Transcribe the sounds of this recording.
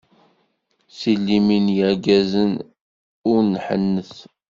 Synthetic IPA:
silːiminjəʕɡæzən | ʊɾnħə̰nːəθ

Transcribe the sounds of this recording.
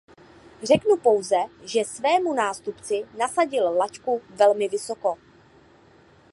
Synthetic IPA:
r̝ɛknupo̞wzɛʒɛsvɛːmunaːst̪upt͡sɪnasaɟɪllackuvɛlmɪvɪso̞ko̞

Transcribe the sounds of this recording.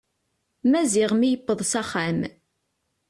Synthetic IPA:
mæzɪʁmijəpːəðˤsæχam

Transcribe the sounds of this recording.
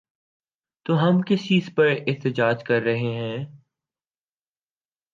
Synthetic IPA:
t̪oːɦɐmkɪsiɪspɐɾɪɦt̪əd͡ʒaːd͡ʒkɐɾːɐɦeɦɛ̃ː

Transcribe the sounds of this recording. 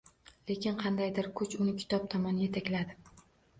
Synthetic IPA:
le̞kʲɪnqʰɑnd̪ajd̪ɪɾkʰʊt͡ʃʊnɪkʲʰɪ̥t̪ʰɒp̚t̪ʰɒmɒnje̞t̪ʰakʲlad̪ɪ

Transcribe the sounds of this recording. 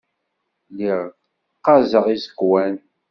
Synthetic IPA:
liʁ | qːɑzəʁizəɡwæn

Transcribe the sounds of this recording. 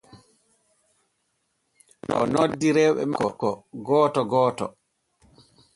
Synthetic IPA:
nɔ̰nodːiɾɛɓɛ̰mkɔkɔɡɔːtɔɡɔːtɔ

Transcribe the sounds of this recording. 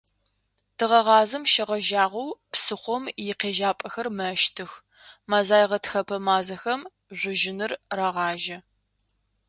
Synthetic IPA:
tʰɨʁɐʁɑːzɨmʃɐʁɐʒaːʁʷɐwpsɨχʷɔmjɪqeːʒaːpʼɐxɐrmɐʃtʰɨx | maːzaːjʁɐtxɐpʰɐmaːzɐxɐm | ʒʷʊʒɪnɨrraʁɑːʒɐ

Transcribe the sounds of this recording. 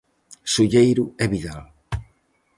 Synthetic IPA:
suʎejɾʊɛβiðal

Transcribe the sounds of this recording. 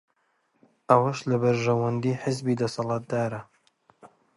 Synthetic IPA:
ʔɐwɐʃlɐbɐɾʒɐwɐnd̪iːħɪzbiːd̪ɐsɑlˠɑːt̪̚d̪aːɾɐ

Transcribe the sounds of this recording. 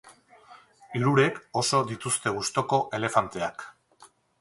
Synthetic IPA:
iɾuɾe̞ko̞so̞d̪it̪ust̪e̞ɣust̪o̞ko̞ʔe̞le̞fant̪e̞ak

